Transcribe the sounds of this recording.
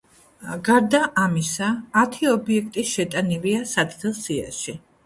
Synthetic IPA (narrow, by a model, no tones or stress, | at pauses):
ɡaɾd̪aʔamisaːt̪ʰiɔbiɛk̚ʰt̪ʼiʃɛt̪ʼaniviasad̪d̪ɛlˠsia̰ʃi